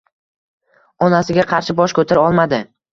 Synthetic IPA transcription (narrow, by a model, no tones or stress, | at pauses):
ɒnasɪɡʲaqʰɑɾʃɪbɒʃkʰɵt̪ʰɪɾɒlˠmad̪ɪ